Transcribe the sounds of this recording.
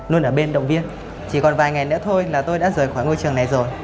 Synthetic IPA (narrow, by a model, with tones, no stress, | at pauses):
nu˧nʔəː˧˩ɓe˧nɗə̰˧˨wŋ͡mvi˧ən | t͡ɕi˧˩kɔ˨˩nvaː˨˩jŋa˨˩jnɨ̰˧˥t̪ʰo˧jlaː˨˩t̪o˧jɗa̰ː˧˥zəː˨˩jxwaː˧˩jŋo˧jt͡ɕɨ˨˩əŋna˨˩jzo˨˩j